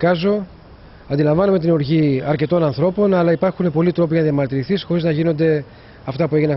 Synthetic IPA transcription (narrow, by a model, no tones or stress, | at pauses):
kɐzo̞ | ɐnd̪ilɐɱvɐnome̞t̪inoɾʝiɐɾce̞t̪o̞nɐnθɾo̞po̞nɐlɐipɐɾxune̞po̞lit̪ɾo̞p̬iʝɐnɐðjɐmɐɾt̪iɾiθisxo̞ɾiznɐʝino̞nd̪e̞ | ɐft̪ɐpueʝinɐ